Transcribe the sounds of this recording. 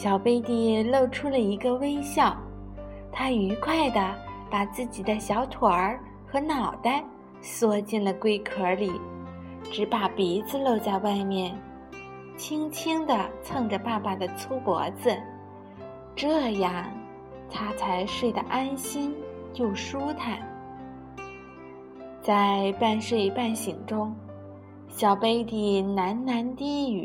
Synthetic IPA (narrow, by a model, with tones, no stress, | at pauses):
ɕjɑ˨˩ʊpe˥ɪt̪i˥˧lo˥˩ʊʈ͡ʂʰu˥lə˨i˧˥ɡə˧we˥ɪɕjɑ˥˩ʊ | t̪ʰa˥y˧˥kʰwa˥˩ɪd̪ə˩pa˨˩t͡sɹ̩˥˩t͡ɕi˨˩d̪ə˦ɕjɑ˧˥ʊt̪ʰwa˧˥ | xɤ˧˥nɑ˨˩ʊt̪a˥˧ | swɔ˥t͡ɕɛ˥˩nlə˩kwe˥ɪkʰɤ˧˥li˨˩˦ | ʈ͡ʂɻ̩˧˥pa˨˩pi˧˥t͡sɹ̩˧lo˥˧ʊt͡sa˥˧ɪwa˥˧ɪmjɛ˥˩n | t͡ɕʰi˥ŋt͡ɕʰi˥ŋd̪ə˨t͡sʰɤ˥˧ŋʈ͡ʂə˩pa˥˩pa˨˩d̪ə˩t͡sʰu˥pwɔ̰˧˥d͡zɹ̩˧ | ʈ͡ʂɤ˥˧ja˥˩ŋ | t̪ʰa˥t͡sʰa˧˥ɪʂwe˥˩ɪd̪ə̰˩ʔa˥nɕi˥n | t͡ɕjo˥˩ʊʂu˥t̪ʰa˥˩n | t͡sa˥˧ɪpa˥˧nʂwe˥˩ɪpa˥˩nɕi˨˩ŋʈ͡ʂʊ˥ŋ | ɕjɑ˨˩ʊpe˥ɪt̪i˥˩na˧˥nna˧˥nt̪i˥y˨˩˦